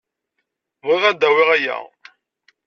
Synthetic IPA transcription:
vʁiʁæd̪ːæwiʁæjæ̰

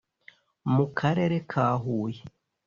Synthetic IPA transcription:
mukʰaɾe̞ɾekʰaːɦuːje

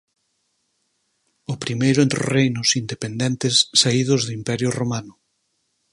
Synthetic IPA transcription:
ʊpɾimejɾʊẽnt̪ɾo̰rejnʊsind̪epend̪ɛ̃nt̪esːaiðʊzðʊimpɛɾjʊromanʊ

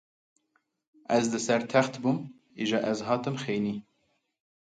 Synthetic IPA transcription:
ʔɛzd̪ɨsɛɾt̪ʰɛxt̪bum | iʒɑːʔɛzɦɑːt̪ɨmxeːjniː

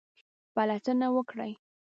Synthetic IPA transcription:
palatənawəkɽa̰j

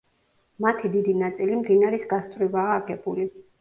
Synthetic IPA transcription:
mat̪ʰid̪id̪inat̪sʼilimd̪inaɾisɡast̪ʼvɾivaːɡɛbuli

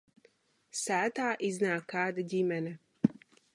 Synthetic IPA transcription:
saːt̪aːʔiznaːkaːd̪ɟimɛnɛ

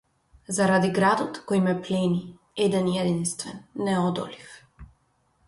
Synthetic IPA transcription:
zaɾad̪iɡɾad̪ɔt̪kojmɛplɛni | ɛd̪ɛnjɛd̪inst̪vɛ̰nːɛɔd̪ɔ̰lif

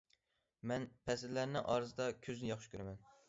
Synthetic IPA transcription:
mɛnpʰɛsɪɾlæɾnɪʔɑɾɨzɨd̪ɑkʲʰøznɪjɑχʃɨ̥kʲʰøɾæmɛn

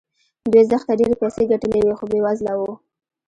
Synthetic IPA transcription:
d̪wujzəxt̪aɖeɾepajseɡaʈəlewexobewazlawu

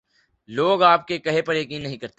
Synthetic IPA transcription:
loːɡaːp̚kekɐɦepɐɾjɐk̬iːnːɐɦĩkɐɾt̪e

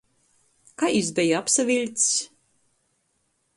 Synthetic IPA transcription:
kaizd̪ɛjaapsavʲilʲt̪s

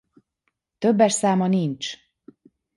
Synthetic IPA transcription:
t̪øbːɛʃsaːmɒnint͡ʃ

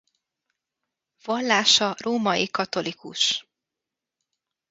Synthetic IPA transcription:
vɒlːaːʃɒroːmɒjikɒt̪o̞likṵʃ

